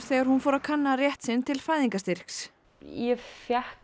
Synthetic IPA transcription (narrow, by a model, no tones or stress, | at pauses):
θɛːɣaɾ̥hunfɔːɾakʰanːarjɛht̪sɪnt̪ʰɪlfaːjðiŋkast̪ir̥ks | jɛfjahk